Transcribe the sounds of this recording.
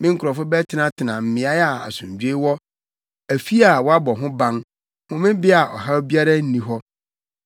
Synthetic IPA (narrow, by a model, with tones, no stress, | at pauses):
mɪ̃˦ŋ̩˦kʰʊ˨ɾɔ˨fʊ˦bɛ˦tʰɪ˦nã˦tʰɪ˨nã˨m̩˨mɪ̃˨a˦ja˨a̰˨sʊ̃˨ɲ˨d͡ʑᶣe˦wɔ˦ | æ˨fi˦a˨wɔ˦a˦bɔ˨ɦʊ̃˦bã˦ŋ | hʊ̃˦mɪ̃˦bɪ˦a˨ʔɔ˨ɦa˦bi˦a˦ɾa˦n̩˦nĩ˨ɦɔ˦